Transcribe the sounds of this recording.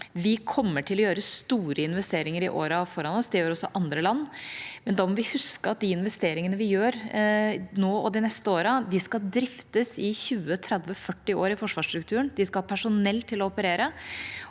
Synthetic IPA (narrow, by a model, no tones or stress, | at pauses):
ʋɪkʰɔmːəʈʰɪlɔjøːɾəst̪uːɾəɪnʋɛst̪eːɾɪŋəɾɪʔoːɾɑfɔɾɑnɔsd̪ɛjøːɾɔsːɔʔɑnd̪ɾəlɑnːmɛnd̪ɑːmɔʋɪhʉskəɑt̪̚d̪ɪɪnʋɛst̪eːɾɪŋənəʋɪjøːɾ | noːɔd̪ɪnɛst̪əoːɾəd̪ɪskɑld̪ɾɪft̪əsɪçʉːət̪ʰɾɛd̪ʋəfœʈːɪoːɾɪfɔʂʋɑːʂt̪ɾʉkt̪ʰʉːɾənd̪ɪskɑpʰæʂʊnɛlt̪ʰːɪlɔɔpəɾeːɾə